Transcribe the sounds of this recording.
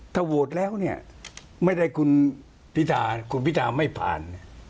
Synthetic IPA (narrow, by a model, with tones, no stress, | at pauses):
t̪ʰaː˥˩wu˨˩ət̪̚lɛː˦˥wni˥˩ɐ | ma˥˩jda˥˩jkʰu˧n | pʰi˦˥t̪ʰaː˧kʰu˧npʰi˦˥t̪ʰaː˧ma˥˩jpʰa̰ː˨˩n